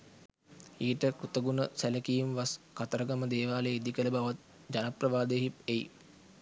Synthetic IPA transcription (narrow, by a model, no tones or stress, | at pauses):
iːʈəkut̪əɡunəsæləkijumʋaskat̪əɾəɡaməd̪eːʋaːleid̪ikələbaʋat̪̚ | d͡ʒanaprəʋaːd̪eɦipejḭ